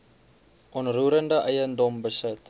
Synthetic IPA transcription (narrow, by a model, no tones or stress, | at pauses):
ʔɔnruːɾəndəʔəjəndɔmbəsət